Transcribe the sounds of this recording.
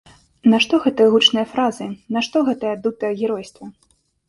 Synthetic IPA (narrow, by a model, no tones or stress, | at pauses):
nɐʂt̪ɔɣɛt̪ɨjɐɣut͡ʂnɨjɐfɾazɨnɐʂt̪ɔɣɛt̪ɐjad̪ut̪ɨjɐɣʲɛɾɔjst̪vɐ